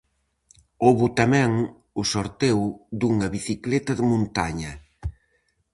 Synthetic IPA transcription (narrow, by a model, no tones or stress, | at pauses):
oβʊt̪amɛ̃ŋ | ʊsoɾt̪ewd̪uŋɐβiθiklɛt̪ɐðɪmõnt̪aɲɐ